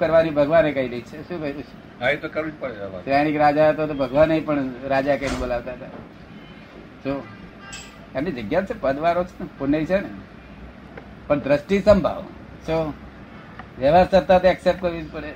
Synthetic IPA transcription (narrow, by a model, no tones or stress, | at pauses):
kəɾʋanibʱəɡʋanekəiliit͡ʃʰeʃũkəɾut͡ʃʰe̥ | ait̪okəɾit͡ʃpəɽsɾaɽ̃ikɾad͡ʒaɦət̪ot̪obʱəɡʋanːəĩpəɳɾad͡ʒakənibolaʋt̪aɦət̪a | so | amnid͡ʒəɡjat͡ʃʰepəd̪ʋaɾot͡ʃʰe̥npuneit͡ʃʰene | pəɳd̪ɾəsʈisəmbʱa̰ʋ | so | ʋjəʋaɾsəɾt̪at̪eɛksep̚ʈ̚kəɾʋinpəɽe